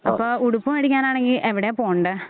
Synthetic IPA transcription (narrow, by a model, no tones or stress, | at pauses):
ɐpːoːuɽupːumeɽikʲːaːnaːɳeŋɡilʔeʋiɽepoːɳɖɨ